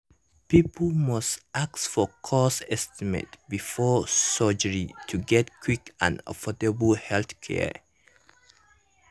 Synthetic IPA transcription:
pipʰəlmʌstʔak̚sfɔkʰɔsɛstimḛtbifɔsɔd͡ʒəɹitʰuɡɛtkʰwikã̰nə̰fɔdəbəlhɛlθkʰɛ̰

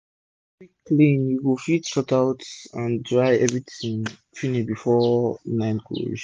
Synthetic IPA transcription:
iklĩnjuwifitʃɔtaʊtãndɹaɪɛvɹitĩŋ | finibifɔnãɪ̃nɡʰo̰

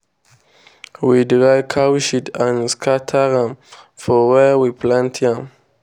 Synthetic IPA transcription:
widɹajkʰawʃitãnskʰatʰaɹãm | fɔwɛwipʰlãntʰãm

